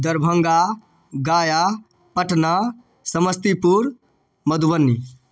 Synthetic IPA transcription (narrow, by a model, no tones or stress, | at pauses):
d̪ɐɾbʱɐ̃ŋɡa | ɡaːja | pɐʈna | sɐməst̪ipuɾ | mɐd̪uʋənːi